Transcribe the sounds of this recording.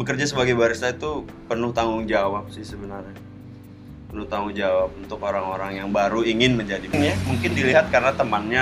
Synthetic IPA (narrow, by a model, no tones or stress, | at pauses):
bəkərd͡ʒasəbaɡajbaɾisait̪u | pənʊht̪aŋɡʊŋd͡ʒawap̚sɪhsəbənarɲa | pənʊht̪aŋʊŋd͡ʒawap̚unt̪ʊkoɾaŋoɾaŋjaŋbaɾuiŋɪnməɲd͡ʒadiŋjamuŋkɪndiliɦat̪̚kaɾənat̪əmanɲa